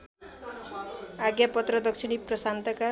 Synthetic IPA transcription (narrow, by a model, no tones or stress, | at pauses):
aɡjapɔt̪ɾɔd̪ɔkʃiɽ̃ipɾɔsant̪aka